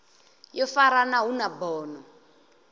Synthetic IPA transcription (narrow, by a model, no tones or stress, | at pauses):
jɔfaɾanaɦunabɔːnɔ